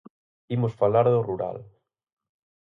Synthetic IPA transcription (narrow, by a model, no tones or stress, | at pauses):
imosfalaɾðʊruɾa̰l